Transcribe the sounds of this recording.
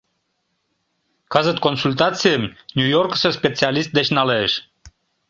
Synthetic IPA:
kɑzət̪̚konsulʲt̪̬ɑt͡sijəmnʲujorkə̥sə̆spʲet͡sialʲist̪̚d̪et͡ɕnɑleːʃ

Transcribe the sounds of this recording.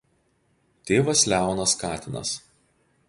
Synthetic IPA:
t̪ʲeːʋɐslʲæˑʊnɐskɑːt̪ʲɪnɐ̰s

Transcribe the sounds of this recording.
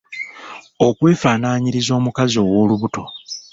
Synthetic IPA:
o̞kwe̞ːfaːnaːɲiɾizo̞ːmukazio̞wo̞ːluβuto̞

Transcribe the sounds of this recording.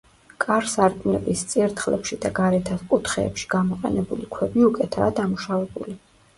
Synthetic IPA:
kʼaɾsaɾtʼunɛbist̪sʼiɾt̪ʰχlɛ̰pʃid̪aɡaɾɛt̪ʰaskʼut̪χɛ̰ːpʃi̥ɡ̥amɔqʼɛ̰nɛbulikʰwɛbmiukʼɛt̪ʰa̰ːd̪amuʃavɛbṵli

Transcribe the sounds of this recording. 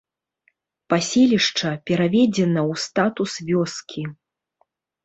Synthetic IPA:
pasʲɛlʲiʂt͡ʂɐpʲɛɾavʲɛd͡zʲɛnɐwst̪at̪usvʲɔskʲʰi

